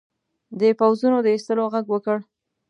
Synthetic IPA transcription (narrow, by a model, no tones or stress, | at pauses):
d̪əpawzunod̪əist̪əloɣaɡwəkəɽ